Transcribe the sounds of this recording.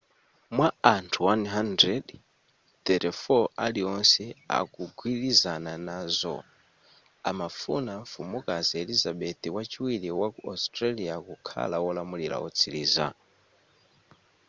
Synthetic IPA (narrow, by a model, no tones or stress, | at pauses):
mwaantʰuwanɦandɾɛd | t̪ɛɾɛfɔaliɔnsɛa̰kuɡwilizananazɔ̰ | amafunaɱfumukazielizaɓɛt̪ʰiwat͡ʃiwiliwakuastɾaliakukʰa̰lawɔlamuliɾa̰ɔt͡sʰiliːza̰